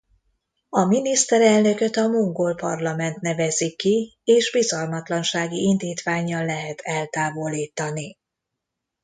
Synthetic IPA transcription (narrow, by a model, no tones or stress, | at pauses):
ɒminist̪ɛɾɛlnø̞kø̞t̪ɒmuŋɡolpɒ̰rlɒmɛnt̪nɛvɛzikːieːʒbizɒlmɒt̪lɒnʃaːɡiind̪iːt̪ʋaːɲːɒllɛɦɛt̪ʰɛlt̪aːvo̞liːt̪ɒni